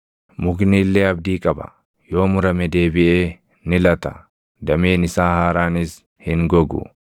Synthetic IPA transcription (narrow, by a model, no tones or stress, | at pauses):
mʊɡniːlːeːɐbd̪iːkʼɐbɐ̥̰ | jo̞ːmʊɾɐmɛd̪e̞ːbɪʔeː | nɪlɐt̪ɐ̥ | d̪ɐmeːnɪsaːhaːɾaːnɪs | hɪŋɡɔɡʊ̰